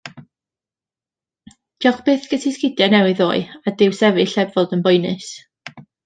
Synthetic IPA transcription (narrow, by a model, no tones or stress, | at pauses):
d̥jɔχb̥eːθɡ̥ətʰiskɪdjanɛwɨðo̰ːɨadɪwsɛvɨɬɛbvɔdənbɔjnɨs